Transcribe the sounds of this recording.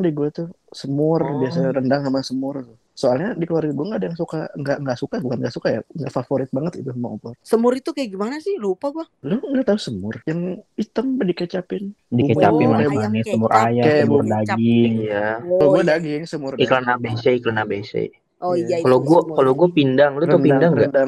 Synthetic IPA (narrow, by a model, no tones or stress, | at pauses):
diɡuat̪usəmʊrbiasaɾəndaŋnamasəmʊrt̪ʊ | soalɲadikəluarɡaɡuaŋɡaːdajaŋsukaŋɡaʔŋɡaʔsukabukanŋɡaʔsukaja̰ŋɡaʔfafoɾɪt̪̚baŋət̪it̪usumaʔupɔrsəmʊɾit̪ukaaɡimanasɪhlupaɡualʊhŋɡaʔt̪ausəmʊrjaŋit̪əmbəndikət͡ʃapɪn | dikət͡ʃapɪnaajabanisəmʊɾʔajakajamʊrdaɡɪijakaloɡuadaɡɪŋsəmʊriklanabeseiklanabesḛ | oaloɡuakaloɡuapindaŋluəunpidandaŋɡadaŋ